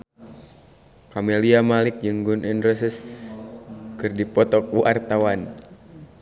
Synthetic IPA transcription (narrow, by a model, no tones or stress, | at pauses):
kamɛliamalik̚d͡ʒɨŋɡunʔɛndɾɛsis | kɨrdipɔt̪ɔk̚uʔart̪awan